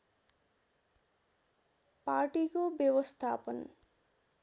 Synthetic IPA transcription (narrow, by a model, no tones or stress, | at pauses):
paɾʈikobebost̪ʰapon